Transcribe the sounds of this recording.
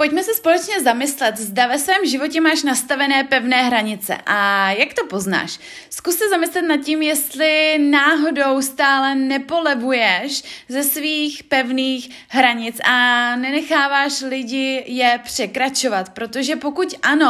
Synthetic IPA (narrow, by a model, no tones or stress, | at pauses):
po̞c̚mɛsɛspo̞lɛt͡ʃɲɛzamɪslɛt̪zdavɛsvɛːmʒɪvo̞cɛmaːʃnast̪avɛnɛːpɛvnɛːɦɾaɲɪt͡sɛ̰ʔajakt̪o̞po̞zna̰ːʃ | skusːɛzamɪslɛt̪nat̪̚cɪmjɛst̪lɪnaːɦo̞do̞wst̪aːlɛnɛpolɛvujɛʃzɛsviːxpɛvniːx | ɦɾaɲɪt͡sʔanɛnɛxaːvaːʃlɪɟɪjɛpr̝̥ɛkɾat͡ʃovat̪pɾo̞t̪oʒɛpo̞kucʔano̞